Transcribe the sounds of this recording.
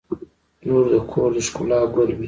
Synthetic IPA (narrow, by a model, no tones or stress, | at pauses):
noɾd̪əkʰoɾd̪əʃkulɑɡəlwi